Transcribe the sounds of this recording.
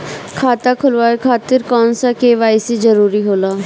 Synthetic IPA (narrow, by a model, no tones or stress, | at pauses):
kʰaːt̪aːkʰʊlʋaːekʰaːt̪ɪɾkɔːnsaːkeːʋaːɪsiːd͡ʒəɾuːɾiːɦoːlaː